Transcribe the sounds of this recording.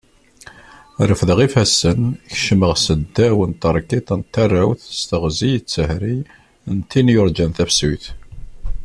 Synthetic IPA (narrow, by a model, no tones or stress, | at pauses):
ɾəfðəʁifæsːənçʃməʁsəd̪ːæwənt̪əɾˤkit̪ˤənt̪ːærˤːæwθst̪əʁzijt͡sːəhɾi | nt̪ːinjʊɾˤd͡ʒænθæfsujθ